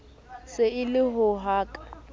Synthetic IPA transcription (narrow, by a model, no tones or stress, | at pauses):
sɪɪlɪɦʊɦaːkʼḁ